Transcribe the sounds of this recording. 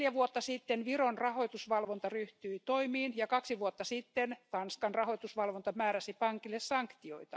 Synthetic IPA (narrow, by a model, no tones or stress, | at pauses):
ljæʋuot̪ːɑsit̪ːenʋironrɑhoit̪usʋɑlʋont̪ɑryht̪yit̪oimiːnjɑkɑksiʋuot̪ːɑsit̪ːent̪ɑnskɑnrɑhoit̪usʋɑlʋont̪ɑmæːɾæsipɑŋkilːessɑŋkt̪ioit̪ɑ